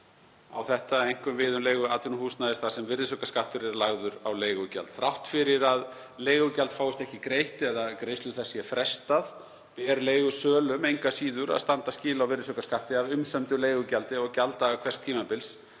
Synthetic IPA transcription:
a̰wθɛht̪aejŋ̥kʏmvɪːðʏmleːjɣʏat̪ʰvɪnumhuːsnaðɪst̪θasɛmvɪɾðɪsœkaskaht̪ʏɾɛɾlaɣðʏɾawleːjɣʏca̰lt̪θɾawht̪fɪɾɪɾað | leːjɣʏcalt̪faːwɪst̪ɛhcɪkɾejht̪ɛðakɾejst̪ʏθɛsːjɛfɾɛst̪að | pɛɾleːjɣʏsœːlʏmejŋkasiːðʏɾa̰ðst̪ant̪ascɪːlawvɪɾrðɪsœkaskaht̪ɪavʏmsœmt̪ʏleːjɣʏcalt̪ɪɔɣcalt̪aakʰvɛr̥t̪ʰiːmapɪls

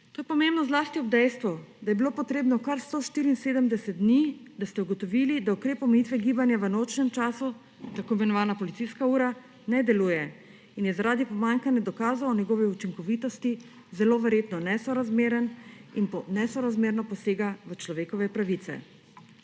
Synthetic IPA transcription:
t̪oːjɛpɔmembnɔzlaːst̪iɔbd̪ɛjst̪ʋɔd̪ajɛbiloːpɔt̪ɾeːbnɔkaɾst̪oʃt̪iːɾiːnseːd̪əmd̪ɛsɛt̪̚d̪nid̪ast̪ɛuɡɔt̪ɔʋilid̪aukɾeːpɔmɛjit̪ʋɛɡiːbanjaʋənot͡ʃnɛmt͡ʃaːsu | t̪akomɛnɔʋaːnapɔlit̪siskauːɾa | nɛd̪ɛluːjɛ | injɛzaɾaːd̪ipɔmaŋkanjɛd̪ɔkaːzaɔnjɛɡoːʋiut͡ʃiŋkɔʋit̪ɔst̪i | zɛloʋɛɾjeːt̪nɔnɛsɔɾazmeːɾəninpnɛsɔɾazmeːɾnɔpɔseːɡaʋət͡ʃlɔʋeːkɔʋɛpɾaʋit̪sɛ̰

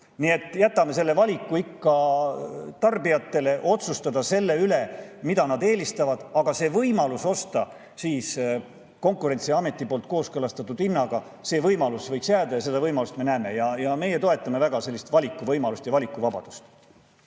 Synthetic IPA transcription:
nie̞t̪ːˑjæt̪ːˑɑme̞se̞lːe̞vɑlʲikːuikːɑ | t̪ɑrbijɑt̪ːe̞le̞ʔo̞t̪sust̪ɑd̪̥ɑse̞lːe̞yle̞mid̪ɑnɑd̪e̞ːlʲist̪ɑvɑd̪̥ɑɡ̥ɑse̞ːvɤjmɑluso̞st̪ɑ | siːs | ko̞ŋkuɾe̞nt̪siɑme̞t̪ːˑipo̞ːlt̪̚ko̞ːskɤlɑst̪ɑt̪ːˑud̪̥inːɑɡ̥ɑ | se̞ːvɤjmɑlusvɤjksjæːd̪ɑjɑse̞d̪ɑvɤjmɑlust̪me̞næeːme̞jɑjɑme̞jet̪o̞e̞t̪ːˑɑme̞væɡ̥ɑse̞lːist̪vɑlʲikːˑuvɤjmɑlust̪jɑvɑlʲikːˑuvɑbɑ̰d̪̥u̥st̪

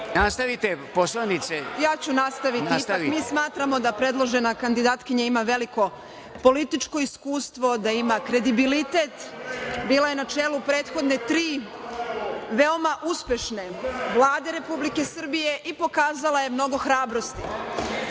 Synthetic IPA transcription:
nast̪aʋit̪eposlˠanit̪sejaːt͡ɕunast̪aʋiiit̪akmiːsmaːt̪ɾamo̞d̪apɾe̞d̪lˠo̞ʒe̞nakand̪id̪aːt̪kiɲaimaʋe̞liko̞ | po̞lit̪it͡ʃko̞iskuːst̪ʋo̞d̪aimakɾe̞d̪ibilit̪et̪biːlojenat͡ʃe̞ːlupɾe̞ːt̪xo̞d̪ne̞t̪ɾiː | ʋeo̞maʔuspje̞ʃne̞ʋlˠaːd̪e̞ɾe̞publike̞sr̩bije̞ʔipo̞kaːzalaje̞mno̞ɡo̞xɾaːbɾo̞st̪i

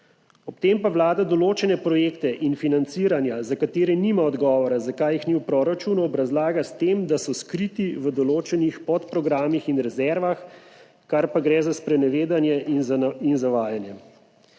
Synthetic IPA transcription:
ɔp̚t̪empaʋlaːd̪ad̪ɔloːt͡ʃɛnɛpɾɔjeːkt̪ɛʔinfinant̪siːɾanjazakat̪eːɾɛniːmaɔd̪ɡɔːʋɔɾazakaːjixniwpɾoːɾat͡ʃunuɔbɾazlaːɡast̪eːmd̪asɔskɾit̪iʋəd̪ɔloːt͡ʃɛnixpɔt̪pɾɔɡɾaːmixinɾɛzɛɾʋax | kaɾpaɡɾɛːzaspɾɛnɛʋeːd̪anjɛʔininzaʋaːjanjɛ

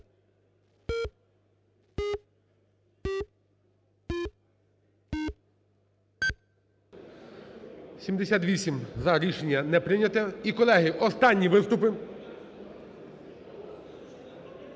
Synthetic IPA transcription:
sʲimd̪esʲat̪ʋʲisʲimzɐɾʲiʃenʲːɐnɛpɾɪnʲɐt̪ɛikɔlˠɛɦɪʔɔst̪ɑnʲːiʋɪst̪ʊpɪ

